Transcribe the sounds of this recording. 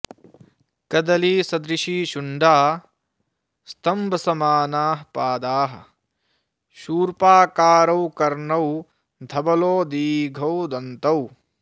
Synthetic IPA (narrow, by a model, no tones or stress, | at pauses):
kɐd̪ɐliːsɐd̪ɾiʃiːʃuɳɖaː | st̪ʰɐmbʱɐsɐmaːnaːɦpaːd̪aːɦɐ̰̆ | ʃuːɾpaːkaːɾɐwkɐɾɳɐw | d̪ʱɐbɐloːd̪iːɡʱɐwd̪ɐnt̪ɐw